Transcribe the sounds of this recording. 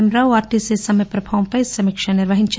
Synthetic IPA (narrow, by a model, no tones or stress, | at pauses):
mɾaʋaːɾʈisesɐmjɐpɾɐbʱaʋɐmpɐjsɐmikʂɐniɾʋɐɦiɲt͡ʃ